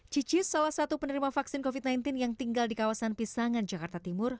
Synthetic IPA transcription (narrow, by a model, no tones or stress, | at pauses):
d͡ʒid͡ʒɪt̪salahsat̪upənəɾimafaksɪnkofit̪̚najnt̪ɪnjaŋt̪iŋɡaldikawasanpisaŋand͡ʒakart̪at̪imʊr